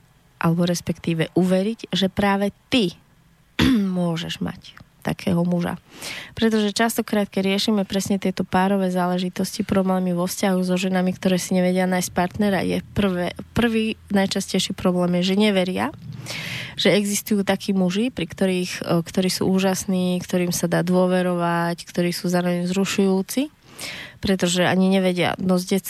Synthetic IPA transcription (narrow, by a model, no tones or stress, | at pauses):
ʔa̰lɛbɔɾɛspɛkt̪iːʋɛʔuʋɛɾiɟʒɛpɾaːʋɛt̪i | mʊɔʒɛʒma̰ct̪a̰kʰɛːɦɔmuʒa̰pɾɛt̪̬ɔʒɛt͡ʃast̪ɔkɾaːt̪̚kɛɟɾɪɛʃiːmɛpɾɛsɲɛt̪ɪɛt̪ɔpaːɾɔʋɛːzaːlɛʒit̪ɔscipɾɔblɛːmiʋɔfscaɦuzɔʒɛnamikt̪ɔɾɛːsiɲɛʋɛɟɪanajsc̚paɾt̪nɛɾa̰jɛ̰pr̩ʋɛpr̩ʋiːnajt͡ʃascɛjʃiːpɾɔblɛːmjɛʒɛɲɛʋɛɾɪa̰ | ʒ̥ɛɛɡzist̪ujuːt̪akʰiːmuʒipɾikt̪ɔɾiːxkt̪ɔɾiːsṵuːʒasniːkt̪ɔɾiːmsad̪aːd̪ʊɔʋɛɾɔʋackt̪ɔɾiːsuːzaːɾɔʋɛɲzɾuʃujuːt͡si | pɾɛt̪ɔʒɛa̰ɲiɲɛʋɛɟɪa̰nɔzɟɛt͡s